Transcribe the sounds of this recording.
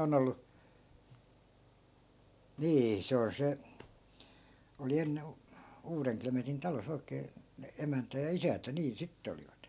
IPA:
on olːu niː se on se oli enːe uːreŋklemetin tɑlos oi̯keː ne emæntæ jɑ isæntæ niːn sitːĕ oliʋɑt

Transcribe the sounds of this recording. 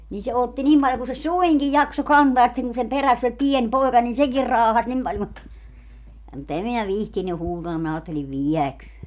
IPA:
nin se otːi nim pɑljo ku se suiŋkij jɑkso kɑntɑː jɑ sitːeŋ kun sem peræsː olʲ pien poekɑ nin sekir rɑːhɑs nim pɑlʲ mut mut em minæ ʋihtiny huːtɑː minæ ɑːtːeliʋ ʋiɛkøːn

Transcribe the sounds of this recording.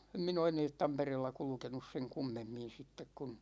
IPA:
em min oː eneːt tɑmpereːlːɑ kulŭkenus seŋ kumːemːin̞ sitːek kun̞

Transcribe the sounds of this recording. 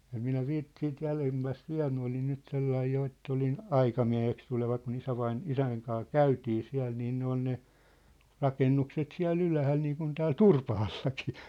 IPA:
em minæ ʋiːt siːt jælemːæst ʋiæ̝l minæ olin nyt selːɑij jo etː olin ɑikɑmiæ̝heks tuleʋɑ kun isæʋɑin isæŋ kɑː kæytiː siæ̝l niːn ne on ne rɑkenːukset siæ̝lː ylæhæl niːŋkun tæːl turpɑhɑlːɑki̥ː

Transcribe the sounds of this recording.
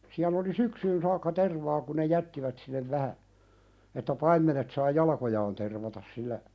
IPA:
siæl oli syksyːn sɑːkːɑ terʋɑː ku ne jætːiʋæt sinːeʋ ʋæhæ etːæ pɑimːenet sɑː jɑlɑkojɑːn terʋɑtɑs silːæ

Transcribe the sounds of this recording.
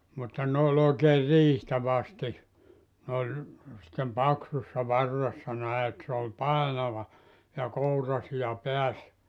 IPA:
mutːɑ n oːlʲ oikeːr riːhtæ ʋɑsti ne olʲ sĭtːem pɑksusːɑ ʋɑrːesːɑ næe et se ol pɑˑenɑʋɑ jɑ kourɑsijɑ peæs

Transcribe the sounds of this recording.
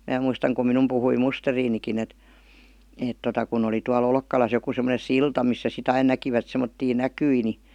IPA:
mæː muistɑŋ kum minum puhui musteriːnikin et eˑt totɑ kun oli tuɑl olkːɑlɑs joku semə̆nen̞ siltɑ misːæ sit ɑin nækiʋæt semːotːiː nækyi ni

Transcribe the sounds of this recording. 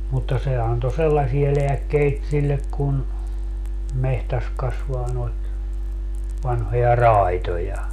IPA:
mutːɑ se ɑnto selːɑsie leækːeit silːek kun mehtæs kɑsʋɑː noit ʋɑnhojɑ rɑˑitojɑ

